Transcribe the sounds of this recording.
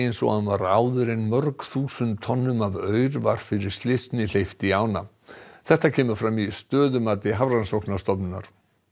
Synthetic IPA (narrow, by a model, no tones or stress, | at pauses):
ejnsɔ̰ɣanvaɾaːwðʏɾenmœɾkθuːsʏnt̪ʰɔnːʏmavœːɥɾvaɾ̥fɪɾɪɾ̥st̪lɪst̪nɪl̥ejft̪iaːwna̰ | θɛht̪acʰɛːmʏɾ̥fɾamist̪œːðʏmaːt̪ɪɦavransɔwknast̪ɔpnʏnːa̰ɾ̥